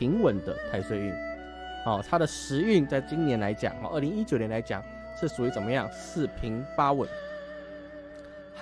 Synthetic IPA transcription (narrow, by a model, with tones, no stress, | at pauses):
i˧˥ŋwə˨˩nd̪ə˧t̪ʰa˥˧ɪswe˥˧ɪy̰˥˩n | ɔ˥˧˩t̪ʰa˥d̪ə˨ʂɻ̩˧˥y˥˧ŋt͡sa˥˩ɪt͡ɕi˥ŋnjɛ˧˥nla˧˥ɪt͡ɕjɑ̰˨˩ŋɔ̰˥˧˦ʔə˥˩li˧˥ŋi˥t͡ɕjnjɛ˧˥la˧˥ɪt͡ɕjɑ̰˨˩˦ŋ | ʂɻ̩˥˩su˨i˧˥t͡sə˨˩nmə˦jɑ˥˨ŋsʰɹ̩˥˩pʰi˧˥ŋfa˥wə˨˩˥n